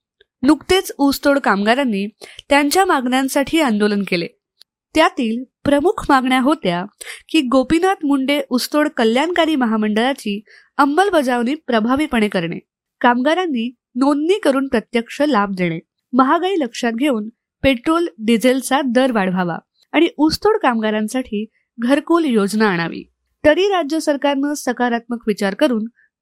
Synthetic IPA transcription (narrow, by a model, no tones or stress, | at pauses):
nukt̪et͡sust̪oɽkamɡaɾanːiːt̪jaɲt͡ɕjamaɡnjãnsaʈʰiːãnd̪olənkele | t̪jat̪iːlpɾəmukʰmaɡɳjaɦot̪jakiːɡopinat̪muɳɖeʔust̪oɽkəljankaɾiːməɦaməɳɖəɾat͡ɕiː | əmːəlʋəd͡zaʋniːpɾəbʱaʋiːpəɳ̃ekəɾɳḛ | kamɡaɾanːiː | nonːiːkəɾuːnpɾət̪jəkʂəlab̚d̪eɽ̃e | məɦaɡaiːləkʂat̪̚ɡʱeuːn | peʈɾolɖid͡zelt͡sad̪əɾʋaɽ̤ʋʱaʋa̰ | aɽ̃iʔust̪oɽkamɡaɾãnsaʈʰiː | ɡʱəɾkuːljod͡znaəɽ̃aʋḭː | t̪əɾiːɾad͡ʑjəsəɾkaɾnəːsəkaɾat̪̚məkʋit͡ɕaɾkəɾuːn